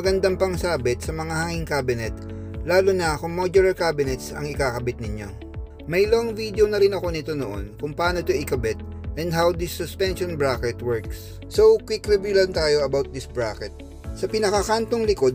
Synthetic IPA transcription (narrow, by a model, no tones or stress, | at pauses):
ɐɡɐnd̪ampɐŋsaːbɪt̪sɐmɐŋahaːŋɪŋkaːbɪnɛt̪ | laːlʊnɐkʊŋmod͡ʒɛɾɐɹkabɪnɛt̪sɐ̰ŋɪkakɐbɪt̪̚nɪɲjo̰ | mɐjloɐŋvid̪eonɐɾɪnɐko̞nɪt̪o̞noʔo̰nkʊŋpɐaːno̞t̪ʊʔɪkɐbɪt̪̚ | ʔɛ̃nd̪ɦawd̪ɪsːʊspɛnʃonbɹakɛt̪wɛɹks | sowkwikɾibjʊlɐnt̪aːjo̞ɐbawt̪̚d̪ɪsbɹakɛt̪̚ | sɐpɪnɐkɐkant̪o̞ŋlɪko̞d̪̚